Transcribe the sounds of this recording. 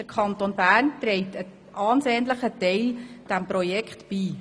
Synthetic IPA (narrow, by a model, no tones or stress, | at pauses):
əɾkʰɑntonbæːrntɾɛɪtə | ʔɑːnseːnləχətɛɪld̥æmpɾojɛkχtb̥iː